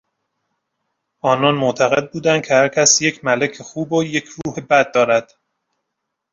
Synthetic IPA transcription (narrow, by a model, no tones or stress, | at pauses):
ʔɒːnɒːnmot̪ʰæɣe̞d̪̚buːd̪ænd̪̚cʰehæɾcʲʰæsjecʰmælekʰexuːboje̞cʰɾuːhebæd̪̚ːɒːɾæd̪̥